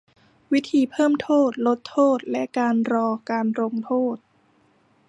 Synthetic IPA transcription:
wi˦˥t̪ʰiː˧pʰɤː˥˩mt̪ʰoː˥˩t̪̚lo˦˥t̪ʰːoː˥˩t̪̚lɛ˦˥ʔkaː˧nɾɔː˧kaː˧nɾo˧ŋt̪ʰoː˥˩t̪̚

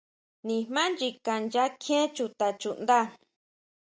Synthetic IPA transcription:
nĩ˧hmã˦nd͡ʒi˧ka˧nd͡ʒa˦kʰẽ˦t͡ʃu˧t̪a˧t͡ʃu˧˨nd̪a˦˨

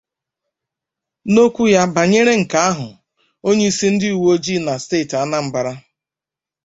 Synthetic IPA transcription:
no˦kʷu˦ja˦ba˨ɲe˦ɾe˦ŋ̩˨ka˨˦a˦ɦʊ˨ | o˦ɲe˦i˦si˦n̩˦dɪ˦u˨wo˦d͡ʒi˦na˨steː˦˨ta˦na˦m̩˨ba˨ɾa˦

